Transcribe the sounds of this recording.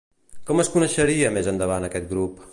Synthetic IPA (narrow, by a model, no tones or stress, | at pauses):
kɔməskunəʃəɾiəmezənd̪əβanəkɛt̪̚ɡɾup